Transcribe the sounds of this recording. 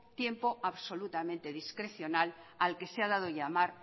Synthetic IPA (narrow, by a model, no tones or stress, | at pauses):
t̪je̞mpo̞aβso̞lut̪amẽnt̪e̞ðiskɾe̞θjo̞nalalke̞seað̞að̞o̞ʎamaɾ